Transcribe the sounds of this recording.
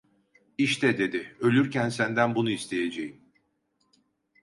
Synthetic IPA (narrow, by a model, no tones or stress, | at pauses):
iʃt̪ʰɛd̪e̞d̪ɪø̞lʲyɾcænsænd̪ænbunuist̪ʰe̞je̞d͡ʒejim